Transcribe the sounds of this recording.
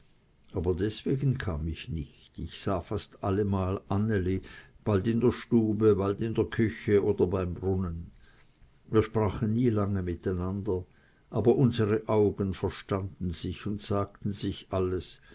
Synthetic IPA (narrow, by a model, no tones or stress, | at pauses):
ʔaːbɐdɛsv̥eːɡn̩kʰaːmɪçnɪçtɪçsaːfastʔaləmaːlʔanelib̥altɪndeːɐʃtuːbəbaltɪndeːɐkʰʏçəoːdɐbaɪmbʁʊnən | viːɐʃpʁ̥aːχən̩ːiːlaŋəmɪtaɪnandɐ | ʔaːbɐʔʊnzəʁəʔaʊɡənfɛɐʃtandn̩z̥ɪçʊntsaːk̚tn̩z̥ɪçʔaləs